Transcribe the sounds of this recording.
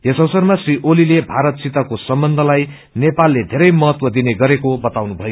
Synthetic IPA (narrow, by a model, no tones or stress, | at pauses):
jʌsʌwsʌrmasriʔolilebʱaɾʌt̪̚sit̪akosʌmbʌnd̪ʱʌlaj | nepalːed̪ʱeɾʌjmʌɦʌt̪wʌd̪ineɡʌɾekobʌt̪awnubʱʌjo